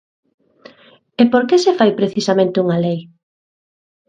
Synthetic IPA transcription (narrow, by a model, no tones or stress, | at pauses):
epoɾkesefajpɾeθisamẽnt̪euŋalej